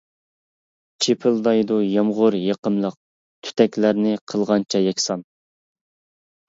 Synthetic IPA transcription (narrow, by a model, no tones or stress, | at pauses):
t͡ʃʰepʰɪlˠd̪ɑjd̪ujɑmʁʊɾjeqəmlˠəq̚ | t̪ʰy̥t̪ʰɛkʲlæɾnɪqʰəlˠʁɑnt͡ʃʰɛjɛkʲsɑn